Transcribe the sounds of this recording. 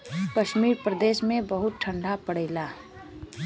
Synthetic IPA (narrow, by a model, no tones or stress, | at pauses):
kɐʃmiːɾpɾəd̪eːʃmẽbɐɦʊt̪̚ʈʰɐ̃ɳɖʱapɐɽeːlaː